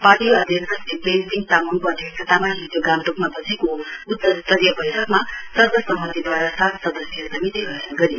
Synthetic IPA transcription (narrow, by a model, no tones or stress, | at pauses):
paʈijoʌd̪ʱjʌksʰʌsipensiŋ̚t̪amunkoʌd̪ʱjʌksʰʌt̪amalit̪joɡamʈokmabʌd͡zʰikout̪ːʌt̪ʌɾijʌbʌjɾʌkmasʌrbʌsʌmːʌnd̪ʱid̪waɾasat̪sʌd̪ʌsjʌsʌmit̪iɡʌɦenaɡʌɾi